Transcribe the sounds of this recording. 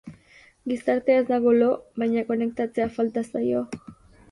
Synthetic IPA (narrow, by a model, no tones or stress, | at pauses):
ɡisaɾt̪eezd̪aɣo̞lo̞βajɲako̞ne̞kt̪at͡se̞afalt̪asajo̞